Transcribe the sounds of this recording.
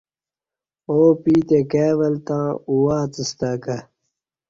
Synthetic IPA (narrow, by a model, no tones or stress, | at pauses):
oːpiːt̪ekeːʋɐlt̪ãːuwaːt͡s̪ist̪aːkɐ